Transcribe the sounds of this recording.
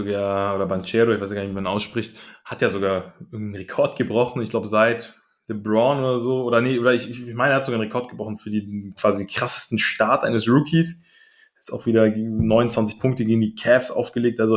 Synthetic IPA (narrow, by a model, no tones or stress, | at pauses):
zoɡaːɐʔoːɾɐbant͡ʃɛːdoɐɪçvaɪsjɡaːnçvimanʔaʊsʃpʁ̥ɪçthatjaːzoɡaːɐʔɪɐɡŋ̩tn̩ʁekʰɔɐtɡ̥əbʁɔχn̩ɪçɡlaʊbəzaɪt | ləbʁɔnʔoːdɐzoːoːɾɐnəʔoːɾɐɪçɪçmaɪnɛːɐhazoɡaːnʁekʰɔɐt̚ɡəbʁɔχn̩fyːɐdiːkv̥aːzidkʁ̥asstn̩ʃtaɐtʔaɪnəsʁukʰis | ɪsta̰ʊxviːdɐɡnɔʏnʊnt͡sv̥ant͡sɪçpʰʊŋk̚təɡeːɡŋ̩diːkʰɛfsʔa̰ʊfɡ̥əleːk̚tʔalzo